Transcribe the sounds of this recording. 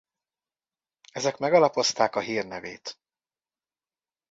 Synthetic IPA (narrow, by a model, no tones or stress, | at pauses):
ɛzɛkmɛɡɒlɒpo̞st̪aːkɒɦiːrnɛveːt̪